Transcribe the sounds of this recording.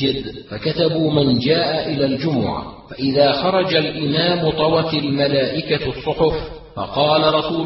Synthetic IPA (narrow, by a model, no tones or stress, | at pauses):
ɪd̪fakat̪abuːmand͡ʒaːʔaʔɪlaːld͡ʒʊmʊ̰ʕa̰faʔɪðaːxɑɾˤɑd͡ʒalʔɪmaːmʊt̪ˤɑwɑt̪almalaːʔɪkasˤːʊħʊf | fɑ̰qɑːlaɾˤɑsuː